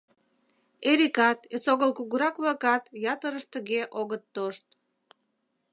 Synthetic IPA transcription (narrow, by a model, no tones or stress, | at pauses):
eɾikɑt̪esoɣəlkuɣuɾɑkβlɑkɑt̪jɑt̪əɾəʃt̪əɣeʔoɣət̪ːoʃt̪